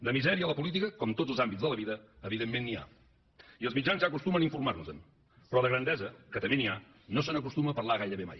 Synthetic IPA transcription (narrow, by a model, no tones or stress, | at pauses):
d̪əmizɛɾiələpulit̪̬ikəkɔmt̪od͡zəlˠzambitzðələβiðəːβiðemːenːia̰ | iəlˠzmid͡ʒanzakust̪uməniɱfuɾmarnuzən | pɾɔðəɣɾənd̪ɛzəkət̪əmenia | nos̬ənəkust̪uməpərlaɣajɾəβema̰j